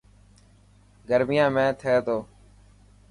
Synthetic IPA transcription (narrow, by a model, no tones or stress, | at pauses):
ɡəɾmɪjãːmẽːt̪ʰeːt̪oː